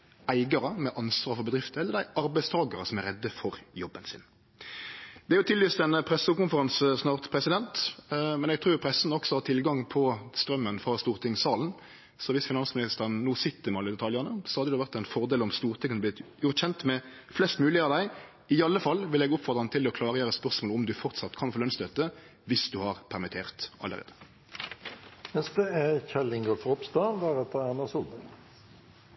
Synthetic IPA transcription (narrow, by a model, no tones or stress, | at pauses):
æɪɡɑɾəmɛʔɑnsʋɑːɾfɔʁbəd̪ɾɪft̪əɛlːəɾd̪æɪʔɑɾbæɪst̪ʰɑːɡɑɾəsɔmæɾɛd̪ːəfɔɾjɔbːənsɪ̰n | d̪̥ɛæɾjʊt̪ʰɪlːyːst̪ɛnpʰɾɛsukʊnfəɾɑnsəsnɑːʁt̪pʰɾɛsɪd̪ɛnt̪mɛnɛɡ̚t̪ʰɾuːpʰɾɛsn̩ɔksɔhɑːt̪ʰɪlɡɑŋpʰɔst̪ɾœmːənfʁɑst̪uːʁt̪ʰɪŋsɑːln̩ | sɔʋɪsfɪnɑnsmɪnɪst̪əɾənnuːsɪt̪ːəmɑlːɪd̪ɛt̪ʰɑljənəsɔhɑd̪əd̪ɛːʋæʁt̪ɛɪnfɔʁd̪eːlɔmst̪uːʁt̪ʰɪŋkʰːənəblɪt̪jʊʁt̪çɛnt̪mɛ | flɛst̪mʉːlɪɑd̪æɪ | ɪɑlːəfɑlːʋɪlɛɡɔpfɔʁt̪ʁɑnət̪ʰɪlɔkʰlɑːʁəjøːɾəspœʁsmoːlɔmd̪ʉfɔʁt̪sɑt̪ːkʰɑnfoːlœnst̪øːt̪ə | ʋɪsd̪ʉhɑʁpʰæʁmɪt̪ʰeːʁt̪ʔɑ̰lːə̰ʁḛːd̪ə̥ | mɛst̪əæçɛlɪŋɡəfʁɔpst̪ɑʋæːʁɛt̪ːəænəsud̪ə